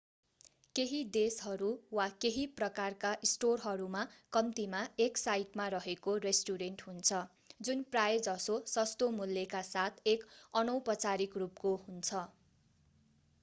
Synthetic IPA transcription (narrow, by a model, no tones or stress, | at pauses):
keɦid̪esɦʌɾuwakeɦiprʌkarkaʔsʈorɦʌɾumakʌmt̪imaeksajʈmarʌɦekoresʈuɾenʈɦunt͡sʰʌ | d͡zunprajd͡zʌsosʌst̪omulːekasat̪ʰekʌnʌwpʌt͡saɾikrupkoɦunt͡sʰʌ